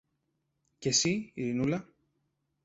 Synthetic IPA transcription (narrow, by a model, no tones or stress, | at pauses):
ce̞siiɾinulɐ